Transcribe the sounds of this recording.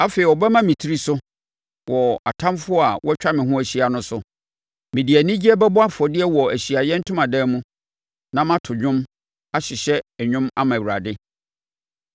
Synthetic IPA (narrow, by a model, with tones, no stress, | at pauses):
a˦fe˨i˨wɔ˨bɛ˦mã˦mĩ˨tʰi˦ɾi˦sʊ˦ | wɔ˨a̰˨tʰã˦mfʊ˦ɔ˦a˨wʔɔ˦t͡ɕᶣa˦mɪ̃˨ɦʊ̃˦æ˨ɕi˦a˨nʊ̃˦sʊ˨ | mɪ̃˨di˨æ˨nɪ̃˦d͡ʑi˦ɛ˦bɛ˦bʊ˦a˦fɔ˨dɪ˦ɛ˦wɔ˨æ˨ɕi˨a˨jɛ˦n̩˦tʰʊ̃˦mã˨dɛ˦mũ˦ | nã˦mã˦tʰʊ˨ɲᶣʊ̃˦m | a˦ɕɪ˨ɕɛ˦ɛ˨ɲᶣʊ̃˦ma̰˦mã˨u˨ɾa̰˨dɪ˦